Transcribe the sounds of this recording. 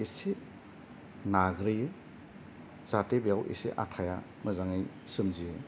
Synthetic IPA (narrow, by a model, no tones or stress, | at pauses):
ese | naɡɾɯjɯ | z̥atebejawʔḛsḛʔa̰tʰaja̰ | məzaŋɯj | sɯmzijɯ